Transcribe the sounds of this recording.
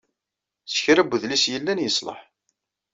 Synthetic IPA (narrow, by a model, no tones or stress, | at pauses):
sə̥çɾæbʷːðlisjəlːænjəsˤlə̰ħ